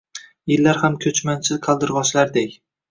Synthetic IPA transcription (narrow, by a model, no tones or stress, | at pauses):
jɪlːaɾhamkʲʰɵt͡ʃmansʰɪzqʰɑlˠd̪ɪɾʁɒt͡ʃlaɾd̪ekʲ